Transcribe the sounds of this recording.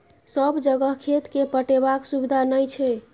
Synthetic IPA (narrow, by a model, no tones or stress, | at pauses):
səbd͡ʒəɡəɦkʰet̪kepəʈebaksubid̪ʱanəjt͡ʃʰɛ